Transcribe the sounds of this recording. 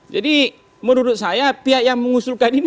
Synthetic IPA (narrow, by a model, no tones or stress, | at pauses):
d͡ʒadi | mənuɾʊt̪̚sajapiɦaʔjaŋməŋusʊlkanin